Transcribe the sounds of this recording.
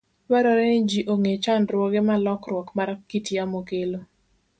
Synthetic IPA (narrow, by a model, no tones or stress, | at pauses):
waɾɔɾɛnɪd͡ʒiʔoŋet͡ʃandɾwɔɡɛmalɔkrwɔkmaɾakitiamokelo